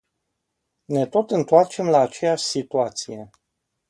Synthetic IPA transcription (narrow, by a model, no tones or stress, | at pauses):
ne̞t̪o̞t̪ɨnt̪oart͡ʃe̞mlaːt͡ʃe̞jaʃʲsit̪uat̪sije̞